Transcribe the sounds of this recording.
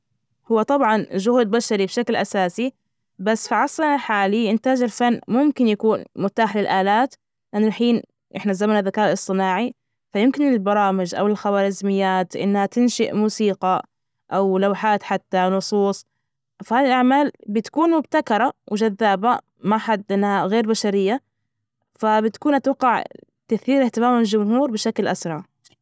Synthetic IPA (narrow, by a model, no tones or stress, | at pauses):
hʊwːat̪ˤɑbʕɑnʒʊhuːd̪̚baʃaɾibʃaklʔasaːsi | basːfiʕɑsˤɑnaħaːliʔɪnt̪aːd͡ʒalfanːmʊmkɪnjakuːnmʊt̪aːħlɪlʔaːlaːt̪ | ʔɪʔanːalħiːn | ʔɪ̰ħnazamnaðakaːʔlɨsˤt̪ˤɨnaːʕi | fajɪmkɪnɪlbɑɾˤɑːmɪd͡ʒʔa̰wɪlxawaːɾɪzmɪjːaːt̪ʔɪ̰nːhat̪ɪnʃɪʔmuːsiːqɑ | ʔawlawħaːt̪ħat̪ːanʊsˤuːsˤ | fahaːðilʔaʕmaːlbɪt̪ḁkuːnmʊbt̪akɑɾˤɑwɪd͡ʒaðːaːba | maħad̪ːʔɪnːhaɣeːɾbaʃaɾɪjːa | fabɪt̪ḁkuːnʔat̪wɑqːɑʕ | t̪aθiːɾɪht̪ɪmaːmald͡ʒʊmɦuːɾbɪʃaklʔa̰sɾˤɑʕ